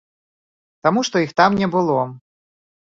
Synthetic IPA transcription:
t̪amuʂt̪ɔixt̪amnʲɛbɨlˠɔ

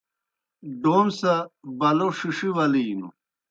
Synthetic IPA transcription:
ɖoːnsabɐloʂiʂiwɐlinṵ

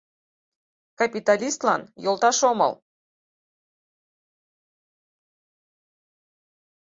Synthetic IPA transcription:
kapʲit̪alʲist̪lˠɑ̰njolˠt̪ɑʃomɤ̰lˠ

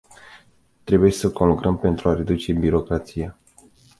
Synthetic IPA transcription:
t̪ɾe̞buje̞səko̞nlukɾəmpe̞nt̪ɾuaɾe̞d̪ut͡ʃe̞biɾo̞kɾat̪sija

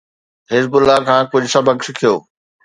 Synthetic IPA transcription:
ɦɪzbʊlːakʰãːkʊd͡ʑʱsɐbʱəksɪkʰijoː

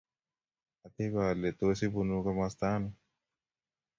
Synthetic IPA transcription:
ɐt̪ibaːlet̪osibunukamast̪aːnu

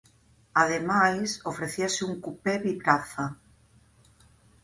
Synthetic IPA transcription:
aðemajsofɾeθiasɪuŋkupeβiβɾaθa

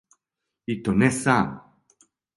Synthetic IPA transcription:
it̪ːonɛsaːn

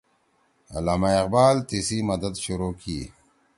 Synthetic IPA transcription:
a̰laːmaɪqbaːlt̪isimɐd̪əd̪ɕuɾoːkʰi

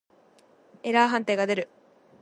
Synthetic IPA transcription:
e̞ɾaːɦãnt̪eːɡad̪e̞ɾɯ̟

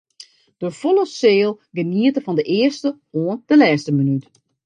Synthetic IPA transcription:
d̥əfoləseːlˠ | ɡəniətəfɔndəʔɪːərstə | oənd̥əlɛːstəmənyt

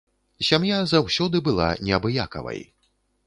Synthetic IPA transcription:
sʲamjazawsʲɔd̪ɨbɨlˠa̰nʲɛɐbɨjakɐ̰vɐ̰j

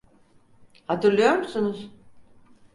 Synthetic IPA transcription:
hat̪ʰɯɾlˠajo̞ɾmusunuz̥

